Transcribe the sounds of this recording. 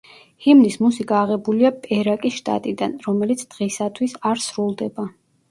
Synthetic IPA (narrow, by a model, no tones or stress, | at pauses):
himnismusikʼaːʁɛbuliapʼɛɾakʼisʃt̪ʼa̰t̪ʼid̪anɾɔmɛlit̪sʰd̪̥ʁɛsat̪ʰwisaɾsɾulˠd̪ɛba